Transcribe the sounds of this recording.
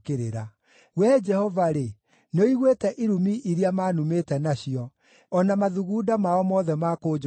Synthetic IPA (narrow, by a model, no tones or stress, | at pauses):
keɾeɾa | wɛd͡ʒɛhɔvaɾe | noiɣwetɛʔiɾumiʔiɾiamaːnumetɛnaɕiɔ | ɔnamaðuɣuːdamaɔmɔðɛmakod͡ʒ